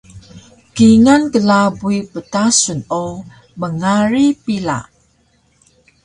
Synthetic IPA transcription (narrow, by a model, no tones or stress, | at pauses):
kiŋankəlabuipətasuno | məŋaɾipila̰ʔ